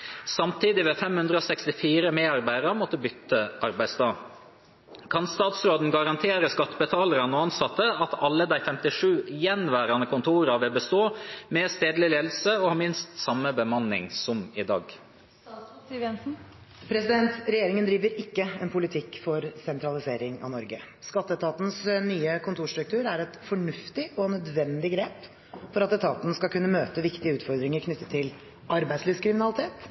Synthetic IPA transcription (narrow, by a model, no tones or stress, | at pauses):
sɑmt̪ʰiːd̪ɪʋeːfɛmhʉnd̪ɾəoːsɛkst̪ɪfiːɾəmeːɑɾbæɪəmɔt̪ːəbʏt̪ːəʔɑɾbæɪsd̪ɑː | kʰɑnst̪ɑːt̪sɾoːd̪n̩ɡɑɾɑnt̪ʰeːɾəskɑt̪ːəbət̪ʰɑːləɾənəɑnsɑt̪ːəɑt̪ɑlːəd̪æɪfɛmt̪ɪʂʉːjɛnʋæːɾɑnəkʰʊnt̪ʰuːɾəʋɪlbəst̪oːmɛst̪eːd̪lɪleːd̪l̩səɔhɑːmɪnst̪sɑmːəbəmɑnːɪ̰ŋsɔmɪd̪ɑ̰ːɡ | ʋjɛnsn̩ | pʰɾɛsɪd̪ɛnt̪ɾɛjeːɾɪŋənd̪ɾiːʋəɾɪkːəɛnpʰʊlɪt̪ʰɪkːfɔɾsɛnt̪ɾɑlɪseːɾɪŋɑ̰nɔɾɡə | skɑt̪ːəɛt̪ʰɑːt̪n̩snyːəkʰʊnt̪ʰuːʂt̪ɾʉkt̪ʰʉːɾæɾɛt̪fɔɳʉft̪ɪɔnœd̪ʋɛnd̪ɪɡɾeːp | fɔɾɑt̪ɛt̪ʰɑːt̪n̩skɑlkʰʉnːəmøːt̪əʋɪkt̪ɪəʉːt̪fɔɾd̪ɾɪŋəɾkʰnʏt̪ːət̪ʰːɪl | ɑɾbæɪslyːskʰɾɪmɪnɑlɪt̪ʰeːt̪